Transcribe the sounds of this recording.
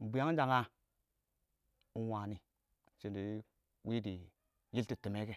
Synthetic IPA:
m̩˨bi˨ja˦ŋ˦d͡ʒa˨ŋa˦ | u˦wa˨ni˨ | t͡ʃi˨ndi˨˦ | wi˦di˨ | ji˦lti˨ti˨me˦ke˦

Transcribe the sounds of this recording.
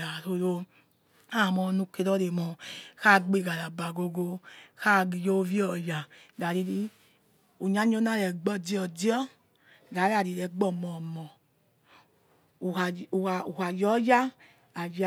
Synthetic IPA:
a˨ɾo˧jo˧ | a˦˨mɔ˧˦nu˧ke˧ɾɔ˦ɾe˨mɔ˨ka˦˨ɡ͡be˦˧˨ɡa˨ɾa˨ba˨ɡo˧ɡo˧ka˦ɡi˨jo˦vi˦ɔ˨ja˨da˨ɾi˧ɾi˧ | u˨ɲa˦ɲ˦o˦na˦˨ɾɛ˨ɡ͡bɔ˦di˦ɔ˨di˦ɔ˦ | ɡa˨˦ɾa˨ɾi˧˨ɾɛ˨ɡ͡bɔ˦˨mɔ˨mɔ˨ | u˨ha˨jɔ˦ja˦ | a˨j

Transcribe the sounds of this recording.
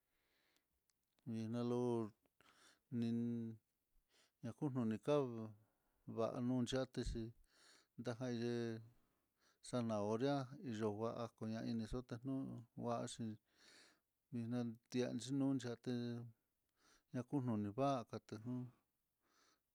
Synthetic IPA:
βi˧nã˧lo˧ | nĩ˧ | ɲã˧ku˦n̥ũ˧nĩ˧ka˦ | βa̰˧ʔa̰˧nũ˦˧nd͡ʒa˦t̪e˧ʃi˧ | nd̪a˦ɦã˧i˧ʒe˧ | sa˧nã˨o˧ɾja˦i˧ʒo˧ɣa˧ʔa˧ko˧ɲã˧i˧nĩ˧so˦t̪e˧n̥nũ˦wa˧ʔʃĩ˧ | βi˧nã˧t̪i˧a̰˧nt͡ʃi˦nũː˦nd͡ʒi˧a˧t̪e˧ | ɲã˧ku˦n̥ũ˧nĩ˧βa˦˧ka˧t̪e˧n̥ũ˦

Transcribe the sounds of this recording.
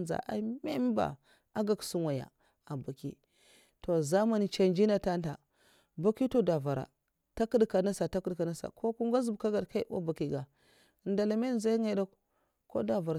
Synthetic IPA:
nza̰˨ʔa̰˨˦me˦m˦ba̰˨ | a˦ɡa˨ksu˦nwa˨ja̰˨ | a˨ba˨kḭ˦ | to˨za˦ma˦ni˨t͡ʃa˨nd͡ʒi˦na˦ta˦nta˨ | ba˦ki˦to˦da˨va˨ɾa̰˨ | ta˦kə˦dka˨na˦sa˨ta˦ku˦dka˨na˦sa̰˨kʰo˦ku˦ŋɡa˦zu˨bka˦ɡa˨dka˦i˦b̰ba˨ki˨ɡa˨ | nda˨la˨me˦n˦za˦ŋe˦da˦k | ko̰˦da˨va˨ɾ

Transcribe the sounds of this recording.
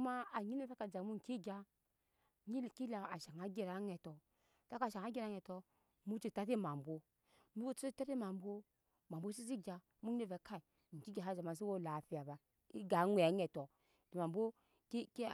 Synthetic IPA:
ma˦a˨ɲi˦na˦sa˦ka˨d͡ʒa˨mu˦ŋ̩˨ki˦ɡʲa˨˧ | ɲi˦˨ki˦la˨a˨ʃa˨ŋa˨˦ɡʲe˦ɾa˨˦ŋɛ˨tɔ˨ | ta˦ka˨ʃa˨ŋ˨a˦ɡʲe˦ɾa˦ŋɛ˨tɔ˧ | mu˦t͡ʃi˦ta˦ti˦ma˨mbo˦ | mu˦ɡo˦t͡ʃu˦i˦ta˦ti˦ma˨m˦bo˦ | ma˨m˨bo˦s̬i˦s̬i˦ɡʲa˨ | mu˦e˦ve˨˦ka˦i˨ | ŋ̩˨ki˦ɡʲa˨ɦa˦˨d͡ʒa˨ma˨s̬i˦wo˦˨la˨fi˦a˨ba˨ | i˦ɡa˨˦ŋʷe˨˦ŋɛ˨tɔ˨ | d̥i˨ma˨m˨bo˦ | kk

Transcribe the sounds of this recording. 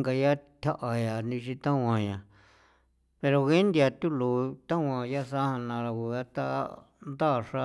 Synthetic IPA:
ŋɡa˧ja˦t̪ʰʲa˦ʔa˧ja˨nĩ˧ʃĩ˧t̪ã˦wʷã˧˨ɲã˨ | pe˧ɾo˧ɣe˦nd̪ja˧t̪u˦lu˨t̪ã˦wʷã˧ja˦sa˦hã˧nã˧ɾa˧ku˧ɣa˦t̪a̰˦ | nd̪a˦˨ʂa˦

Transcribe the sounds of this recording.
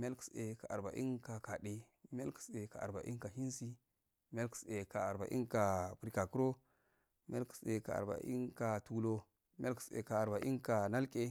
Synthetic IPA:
m˦a˦lku̥˨˦se˨ka˨ʔa˨ɾba̰˨ʔḭ˦nka˨ka˨ɗe˦ | m˦a˦lku̥˨se˨ka˨a̰˨ba̰˨ʔḭ˦nka˨hi˦nsi˦ | m˦a˦lku̥˨˦se˨ka˨a˨ɾba̰˨ʔḭ˦ŋka˨pu˨ɾi˨ka˨ku˦ɾo˦ | m˦a˦lku̥˨se˨ka˨a̰˨ɾba̰˨ʔḭ˦nka˨tu˨lo˦ | mʲ˦a˦lku̥˨sḛ˨ka˨a˨ɾba˨ʔi˦nka˨na˦lkʼe˦

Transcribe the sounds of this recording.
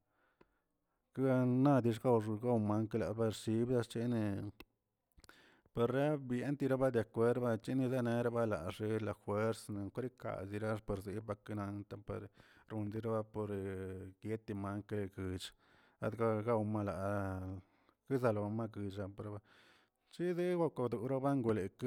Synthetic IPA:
ka˦˧na˦d̪i˧ʂ̬ɡa˦wʐɡa˦wma˦ŋka˧la̰˨ba˧ɾʃi˦bd̪a˧t͡ʃi˦ni˧ | pe˧ɾɾa˦bje˦nt̪i˧ɾa˦ba˦d̪ja˨kʷe˦ɾba˦t͡ʃi˦ni˧za˦ne˧ɾa˦ba˦la̰˨ʐi˧˦la˨xwe˦ɾsna˨kɾi˦ka̰˨si˧ɾa˦po˧ɾzi˧˦ba˧ki˦na˧nt̪a˦pḛ˧ɾɾu˧nd̪i˧˦ɾa˦ba˦po˧ɾɡje˦t̪i˧ma˦ŋkle˧ɡɨ˨t͡ʃ | a̰˦d̪ɡa˦ɡa˦wma˦˧la˨ | ki˦za˧lo˨˧ma˦ɡɨ˨t͡ʃa˧po˧ɾba˧˦ | t͡ʃi˦zi˦ɡʷa˦kʷa˧d̪u˨ɾa˦ba˦ŋɡu˧le˨k

